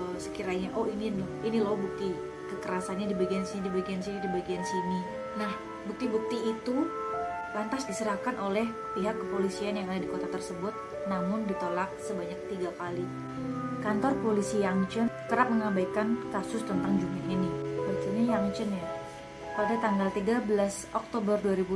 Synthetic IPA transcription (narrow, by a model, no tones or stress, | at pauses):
sə̥kiɾaɲaʔoʔininʊinilohbuk̚t̪i | kəkəɾasanɲadibaɡiansinidibaɡiansinidibaɡiansini | nah | buk̚t̪ibuk̚t̪iːt̪u | lant̪asdisəɾahkanʔolɛh | piɦakːəpolisianjaŋadadikot̪at̪ərsəbʊt̪̚ | namʊndit̪olak̚səbaɲak̚t̪iɡakali | kant̪ɔrpolisijaŋt͡ʃənkəɾap̚məŋabajkankasʊst̪ənt̪aŋd͡ʒumaninibak̚t̪iɲajaŋt͡ʃənja | kaldat̪aŋɡalt̪iɡabəlasʔɔk̚t̪obərduaɾibu